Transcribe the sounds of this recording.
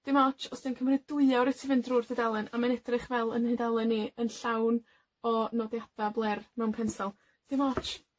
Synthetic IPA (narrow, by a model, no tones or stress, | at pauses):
d̥ɪmɔt͡ʃɔsd̥ɛnkʰəmrɨdʊɨawɾɪtʰivɪndrʊrdɪdalˠɨnamanɛdrɨχvɛlˠənhɪdalˠɨnːiənɬawn | ɔnɔdjad̥ablˠɛrmɛwnkʰɛnsalˠ | d̥ɪmɔt͡ʃ